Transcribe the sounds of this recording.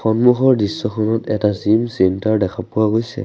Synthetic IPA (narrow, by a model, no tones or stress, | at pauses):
xɔnmuxɔɹdisːɔxʰɔnɔtɛtazimsɛntaɹdɛkʰapʊwaɡojsɛ̰